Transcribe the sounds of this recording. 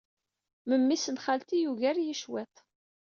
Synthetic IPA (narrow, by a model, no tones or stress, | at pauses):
məmːisənχalt̪ijuʝæɾjiʃwɛt̪ˤ